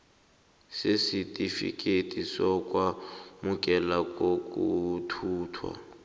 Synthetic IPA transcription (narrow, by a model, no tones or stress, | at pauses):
sesitʼifḭkʼetʼisɔkʼwamuk̬ʼɛlakʼokʼutʰuːtʰwa̰